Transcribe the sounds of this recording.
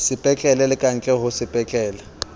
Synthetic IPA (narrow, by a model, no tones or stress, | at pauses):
sɪpʼɛt͡ɬʼɛlɛlɪkʼaŋ̩t͡ɬʼɛɦʊsɪpʼɛt͡ɬʼɛːla